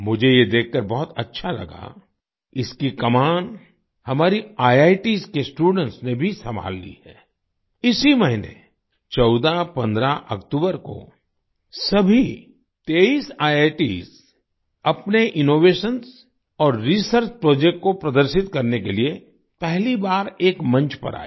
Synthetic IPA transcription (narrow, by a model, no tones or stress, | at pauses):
mʊd͡ʒʱejed̪eːkʰːəɾbɔɦʊt̪ɐtːʃʰalɐ̰ɡa̰ | ɪskikɐmaːn | hɐmaːɾiaːjaːɪʈiːskesʈuːɖə̃ɳʈsnebʱisɐmbʱa̰ːlːḭhɛː | ɪsimɐɦɪnḛ | t͡ʃɔʊd̪apɐ̃nd̪ɾaʔɐ̰kt̪uːbəɾko̰ | sɐbʱi | t̪eːiːsaːjaːʈḭːs | ɐpneʔɪnoːʋeːʃəns | ɔːɾːisəɾt͡ʃpɾɔːd͡ʒek̚ʈ̚kopɾɐd̪əɾʃɪt̪kɐɾnekelie | pɛɦlibaːɾeːkmɐ̃nt͡ʃpɐ̰ɾa̰ːe